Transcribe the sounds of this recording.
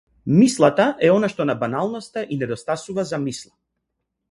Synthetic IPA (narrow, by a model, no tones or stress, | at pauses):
mislˠat̪aʔɛɔnaʃt̪ɔnabanalˠnɔst̪aʔinɛd̪ɔst̪asuvazamislˠa